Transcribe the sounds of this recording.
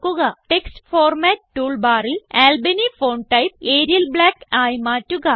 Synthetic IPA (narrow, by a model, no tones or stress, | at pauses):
kːuɣɐʈeksʈfoːrmæːt̚ːuːɭbaːrilæːlbɐnifoːnʈɐjp̚eːɾijɐlbɭaːkaːjmaːtːuɣɐ